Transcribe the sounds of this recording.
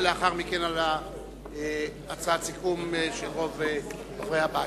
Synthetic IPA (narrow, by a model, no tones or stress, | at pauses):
leaχaʁmikenala | e | at͡sat͡sikumeʃeʁo̞ve | havʁehaba